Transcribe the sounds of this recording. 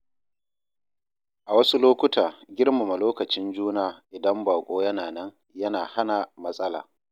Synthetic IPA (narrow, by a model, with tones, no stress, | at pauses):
ʔa˨wɐ˦su˦loː˦kʷʊ˦tʰaː˨ɡʲɪ˦rma˨ma˨loː˦kɐ˨t͡ʃɪ˦nd͡ʒuː˦naː˦˨ʔɪ˨dɐ˦mbaː˨kʷʼoː˦jɐ˦naː˨nɐ˦ŋ | jɐ˦naː˨ha˦na˨mɐ˦sʼɐ˦la̰ː˨